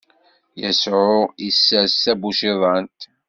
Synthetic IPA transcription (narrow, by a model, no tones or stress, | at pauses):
jæsʕʊisːæsæbuʃiðˤɑnt̪